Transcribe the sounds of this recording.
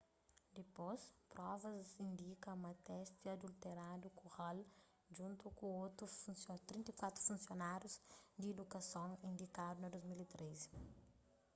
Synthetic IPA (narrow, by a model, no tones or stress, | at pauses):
d̪ɪpospɾɔvɐzĩnd̪ikɐũmɐt̪ɛst̪iɐd̪ult̪eɾad̪ukuʁal | ʒũnt̪ukũot̪ufusot̪ɾĩnt̪ɐkwat̪ɾu̥fũnsionaɾjuzd̪ied̪ukɐsõŋĩnd̪ikad̪unɐd̪ozmilit̪ɾʔez